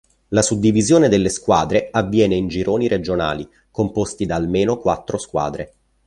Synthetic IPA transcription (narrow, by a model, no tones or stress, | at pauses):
lasud̪ːivizjoːned̪elːeskwaːd̪ɾeavːjɛːneind͡ʒiɾʔoːniɾed͡ʒona̰ːli | kompost̪id̪aːlmeːnokwat̪ːɾoskwa̰ːd̪ɾe